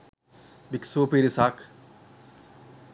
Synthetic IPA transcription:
biksuːpiɾisaːk

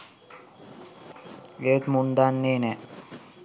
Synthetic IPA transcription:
eət̪mund̪anːeːnɛ

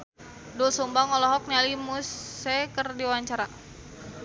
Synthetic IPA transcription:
dɔsumbaŋɔlɔɦɔk̚nialimusɛkərdiwwaɲt͡ʃaɾa

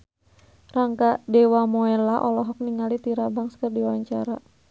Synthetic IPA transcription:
raŋkadɛwamɔɛlaʔɔlɔɦɔk̚niŋalit̪iɾabaŋskərdiwaɲt͡ʃaɾa

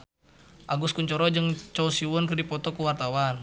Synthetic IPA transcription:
ʔaɡuskuɲt͡ʃɔɾɔd͡ʒəŋt͡ʃɔusiwɔnkərdipɔt̪ɔkuwart̪awan

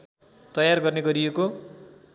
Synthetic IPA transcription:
t̪ʌjarɡʌrneɡʌɾijeko

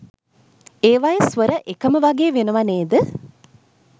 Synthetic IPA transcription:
eːʋajəsʋəɾəʔekəməʋaɡeːʋenəʋaneːd̪ə

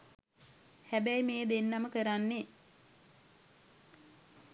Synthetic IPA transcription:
hæbæjmeːd̪enːaməkəɾanːe

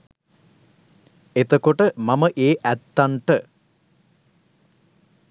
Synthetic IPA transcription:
et̪ɐkoʈəmɐməʔeːʔæt̪ːɐɳʈə

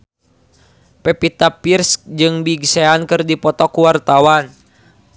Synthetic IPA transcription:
pɛpit̪apirskd͡ʒɨŋbiɡsɛankɨrdipɔt̪ɔkuwart̪awan

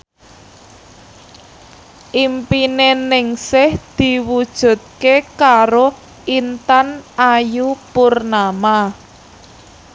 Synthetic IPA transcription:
ʔimpinenɪŋsɪhd̪̥i̤wud̥ʒ̥ṳt̪̚kekaɾo | int̪anajupʊrnama

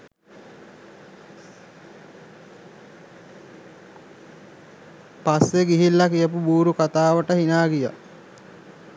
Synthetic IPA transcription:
paseɡiɦilːakijəpubuːɾukat̪aːʋəʈəhinaːɡijə̰

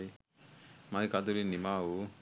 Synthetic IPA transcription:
i | maikad̪ulinimau

